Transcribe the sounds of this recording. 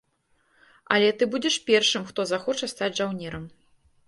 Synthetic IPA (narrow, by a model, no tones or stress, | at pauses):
ɐ̰lʲɛt̪ɨbud͡zʲɛʂpʲɛrʂɨmxt̪ɔzaxɔt͡ʂɐst̪ad͡zʲʐawnʲɛɾɐm